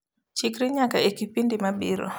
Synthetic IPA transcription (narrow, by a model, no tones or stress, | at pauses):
t͡ʃikɾiɲakaekipindimabiɾo̰